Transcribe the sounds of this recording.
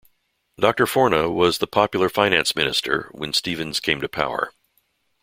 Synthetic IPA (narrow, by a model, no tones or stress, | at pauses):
d̥ɑk̚tə˞fɔɹnəwʌzðəpʰɑpjl̩ˠə˞fãɪ̃næ̃nsmɪ̃nɨstʰə̰˞wə̰̃nstivɨ̃nz̥kʰẽɪ̃mtɨpʰa̰ʊə̰˞